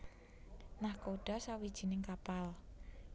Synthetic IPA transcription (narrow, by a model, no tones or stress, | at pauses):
nahkoɖ̥a̤sawid̥ʒ̥i̤nɪŋkapal